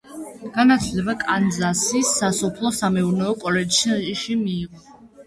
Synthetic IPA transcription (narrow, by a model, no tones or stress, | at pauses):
ɡ̥anat̪ʰlɛbakʼanzasisasɔpʰlˠɔsamɛuɾnɛɔkʼɔlɛd͡ʒʃʃimiːʁɔ